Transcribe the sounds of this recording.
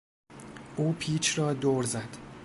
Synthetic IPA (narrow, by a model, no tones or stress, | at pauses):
ʔuːpʰiːt͡ʃʰrɒːd̪oːɾzæd̪̥